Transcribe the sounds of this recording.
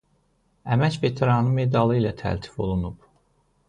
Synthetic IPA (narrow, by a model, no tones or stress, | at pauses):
æmæcvet̪ʰeɾɑnɯme̞d̪ɑlˠɯilæt̪ʰæ̰lt̪ʰi̥fo̞̰lˠunub